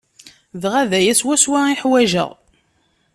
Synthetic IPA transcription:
ðʁæðæjæswæswaiħwæʒə̰ʁ

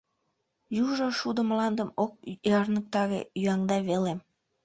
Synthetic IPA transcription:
juʒoʃud̪əmlɑnd̪əmok̚jɑrnək̚t̪ɑɣḛjyɑŋd̪ɑβelem

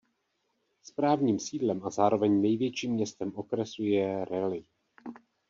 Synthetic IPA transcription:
spɾaːvɲiːmsiːdlɛmʔazaːɾo̞vɛɲnɛjvjɛt͡ʃiːmɲɛst̪ɛmʔo̞kɾɛsujɛɾɛlɪ

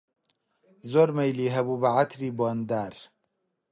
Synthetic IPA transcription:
zoːɾmejliːɦɐbuːbɐʕat̪ʰɾiːbond̪aːɾ

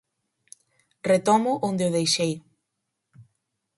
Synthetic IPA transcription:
ret̪ɔmʊʔond̪ɪʊðejʃej

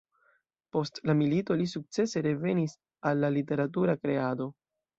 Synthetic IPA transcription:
po̞stlamilito̞lisuk̚t͡se̞se̞ɾe̞ve̞nis | alːalite̞ɾatuɾakɾe̞ado̞

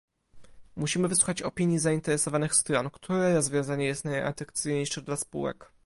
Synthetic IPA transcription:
muɕimɘvɘswuxat͡ɕɔpʲiɲjizaint̪ɛɾɛsɔvanɘxst̪ɾɔnkt̪ʰuɾɛɾɔzvʲjɔ̃w̃zaɲɛjɛst̪naja̰t̪ɾak̚t̪sɨjɲejʂɛd̪laspṵwɛ̰k

